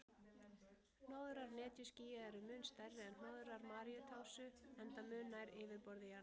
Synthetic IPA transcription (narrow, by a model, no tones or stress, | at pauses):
noːwðʏɾaɾnɛːt̪jʏsciːjaðɛɾʏmʏnst̪aɾvɪɛnnnoːwðʏɾaɾmaːɾiʏt̪ʰaːwsʏɛnt̪amʏːnajɾɪːvɪɾpɔɾðɪjaɾn